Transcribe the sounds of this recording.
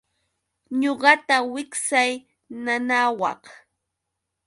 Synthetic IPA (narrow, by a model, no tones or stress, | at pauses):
ɲoɢɑt̪awɪksaj | nanawɑ̰χ